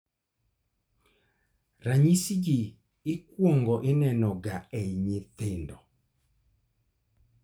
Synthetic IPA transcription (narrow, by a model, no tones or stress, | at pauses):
raɲisid͡ʒiː | kwɔŋɡɔʔɪnɛnɔɡaɛiɲɪt̪endɔ